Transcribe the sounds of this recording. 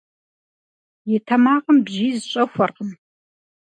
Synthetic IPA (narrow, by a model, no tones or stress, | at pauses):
jɪtʰɐmaːqəmbʒiːzɨɕʼɐxʷɐrqən